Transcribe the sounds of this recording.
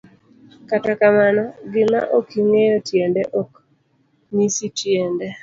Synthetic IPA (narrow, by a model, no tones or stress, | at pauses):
katakamanɔɡɪma̰ʔokiŋejɔtjendɛʔɔk | nisitjendɛ